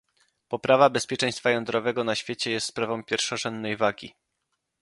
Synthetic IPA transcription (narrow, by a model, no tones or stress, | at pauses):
pɔpɾʔavabɛspʲjɛt͡ʂɛ̃j̃st̪fajɔnd̪ɾɔvɛɡɔnaɕfʲjet͡ɕɛjɛst̪spɾavɔ̃w̃mpʲjɛɾfʂɔʐɛnd̪nːɛjvaɡʲḭ